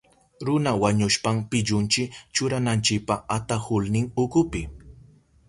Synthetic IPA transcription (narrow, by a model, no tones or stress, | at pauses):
ɾʊnawaɲʊʃpampɪʎʊnt͡ʃɪkt͡ʃʊɾanant͡ʃɪk̚paat̪ahʊlnɪŋʊkʊpɪ